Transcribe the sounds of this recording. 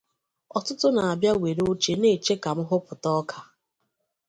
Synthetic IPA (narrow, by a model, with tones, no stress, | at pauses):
ɔ˨tʊ˦tʊ˦na˨a˨bja˦we˨ɾo˦t͡ʃe˨ne˨t͡ʃe˦ka˨m̩˦ɦʊ˦pʊ˨tɔ˦kʰa˨